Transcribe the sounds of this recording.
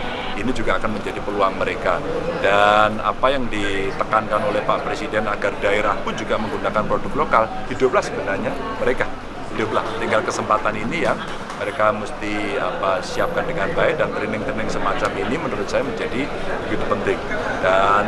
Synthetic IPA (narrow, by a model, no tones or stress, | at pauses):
inid͡ʒuɡaːkanməɲd͡ʒadipəluaŋməɾekadana̰pajaŋdit̪əkankanolɛhpaʔpɾesidɛnaɡardaeɾahkud͡ʒuɡaməŋɡunakanpɾodʊk̚lokal | hidʊp̚lahsəbənarɲaməɾeka | hidʊp̚la̰ht̪iŋɡalkəsəmpat̪aninija | məɾekaməst̪iapasiap̚kandəŋand̪aɛdant̪ɾinɪŋt̪ɾinɪŋsəmat͡ʃaminimənuɾʊt̪̚sajaməɲd͡ʒadi | bəɡit̪upənt̪ɪŋ | dan